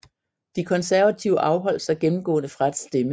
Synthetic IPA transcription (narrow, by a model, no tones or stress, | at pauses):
d̥ikʰɒ̽nsæɐʋæt͡sʰiʊəʔɑ̈ʊɦɒ̽l̰sɑɡ̥enm̩ɡ̥ɔ̰̽ːnəfʁad̥sd̥emə